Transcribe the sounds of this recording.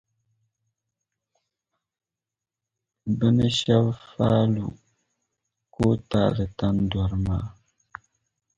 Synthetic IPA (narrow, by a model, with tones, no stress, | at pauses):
bə˦nə˦ʃa˦bfa˦lṵ˨ | ko˦ta̰˨lɨ˨ta˦ndwa˨ɾmaː˦˨